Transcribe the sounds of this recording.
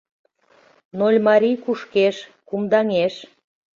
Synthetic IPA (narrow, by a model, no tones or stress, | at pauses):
nolʲmɑɾʲikuʃkeʃkumd̪ɑŋeʃ